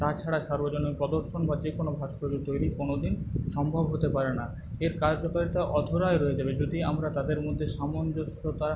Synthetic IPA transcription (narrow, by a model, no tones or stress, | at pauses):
t̪at͡ɕʰaɽaʃaɾbod͡ʑonikpɔd̪oɾʃonbad͡ʑekonobʱaʃkod͡ʑuɾt̪ojɾikonod̪inʃɔmbʱobɦot̪epaɾena | eɾkad͡ʑd͡ʑɔkaɾit̪aʔɔd̪ʱoɾajɾɔed͡ʑabed͡ʑod̪iamɾat̪ad̪eɾmod̪ʱːeʃamond͡ʑoʃot̪aɾ